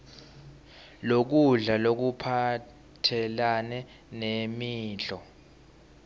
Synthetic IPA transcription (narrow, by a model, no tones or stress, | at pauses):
lok̬uɮalok̬upʰa | tʰɛlanɛ | nemiːɮɔ